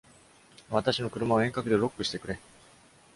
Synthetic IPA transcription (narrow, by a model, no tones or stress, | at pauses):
βat̪aɕino̞kɯ̟ɾɯ̟maoẽ̞ŋkakɯ̟d̪e̞ɾo̞kːɯɕi̥t̪e̞kɯ̟ɾe̞